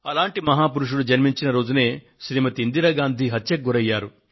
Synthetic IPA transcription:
ɐlaːɳʈimɐɦaːpuɾuʂ̬uɽud͡ʒɐɾmiɲt͡ʃinɐɾoːd͡ʒune̞ː | ʃɾimɐt̪iind̪iɾɐːɡaːnd̪ʱiɦɐt̪jɐk̚ɡuɾɐjːaːɾu

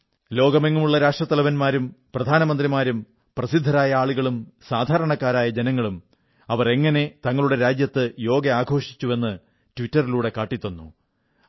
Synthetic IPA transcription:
lo̞ːɡɐmeŋːumuɭːɐɾaːʂʈrɐt̪ːɐlɐʋɐnmaːɾumprɐd̪ʱaːnɐmɐnd̪rimaːɾum | prɐsid̪ʱːɐɾaːjɐaːɭuɣɐɭumsaːd̪ʱaːɾɐɳɐkːaːɾaːjɐd͡ʑenɐŋːɐɭum | ɐʋɐre̞ŋːɐne̞t̪ɐŋːɐɭuɽe̞ɾaːd͡ʑjɐt̪ːɨjo̞ːɡɐaːɡʱo̞ːʂi̥t͡ɕːue̞nːɨ | tʋitːɐriluːɽe̞kaːʈːit̪ːonːṵ

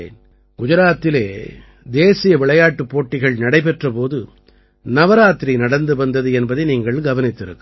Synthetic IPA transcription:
n | ɡ̥ʊd͡ʒɐɾaːt̪ːɪleː | d̪eːsɪjɐʋɪɭɐjaːʈːɯpːoːʈːɪɣɐɭnɐɽɐɪpɛʈrɐpoːðɯ | nɐʋɐɾaːt̪ːɾinɐɽɐnd̪ɯʋɐnd̪ɐðɯɛnbɐðɐɪniːŋɡɐɭɡɐʋɐnɪt̪ːɪɾɯ̰kːɯ

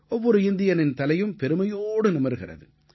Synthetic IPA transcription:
ɔʋːɔɾɯɪnd̪ɪjɐnɪnt̪ɐlɐjɯmpɛɾɯmɐjoːɽɯnɪmɐɾɣɪ̰rɐ̰ðɯ

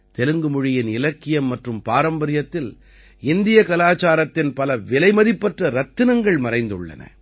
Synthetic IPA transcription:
t̪ɛlɯŋɡɯmʊɻɪjɪnɪlɐkːɪjɐmːɐʈrɯmpaːɾɐmbɐɾɪjɐt̪ːɪl | ɪnd̪ɪjɐkɐlaːt͡ʃaːɾɐt̪ːɪnpɐlɐʋɪlɐɪmɐðɪpːɐʈrɐɾɐt̪ːɯnɐŋɡɐɭmɐɾɐɪnd̪ɯ̰ɭːɐ̰nɐ̰

